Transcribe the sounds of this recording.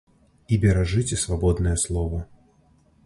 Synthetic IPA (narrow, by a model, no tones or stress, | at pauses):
ibʲɛɾaʐɨt͡sʲɛsvabɔd̪nɐjɛslˠɔvɐ